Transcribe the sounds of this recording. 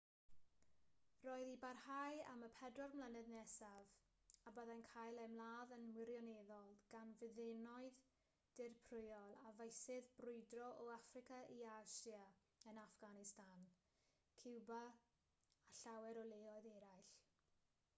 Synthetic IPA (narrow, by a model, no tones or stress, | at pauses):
roːɨðibarhaja̰məpʰɛdrɔrmlˠənɛðnɛsav | abəðankʰaːjlˠɛmlˠaːðənmwɪɾjɔneðɔlˠɡ̥anvɪðɪnɔɨð | d̥ɪrpʰrʊjɔlˠavejsɪðbrʊɨdrɔʔɔafrɪkaʔiasja | ənafɡ̥anɪstan | kʰɪwbaː | ɬawɛɾɔlˠeɔɨðɛɾajɬ